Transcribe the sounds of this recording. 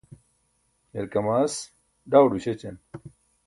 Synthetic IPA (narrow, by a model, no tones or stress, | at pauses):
heɾkɐmaːs | ɖaːwɖuɕet͡ɕɐn